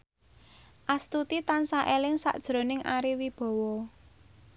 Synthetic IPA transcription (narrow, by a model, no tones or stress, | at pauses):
ʔast̪ut̪it̪ansaʔelɪŋsa̰ʔd̥ʒ̥ɾo̤nɪŋʔaɾiwib̥ɔ̤wɔ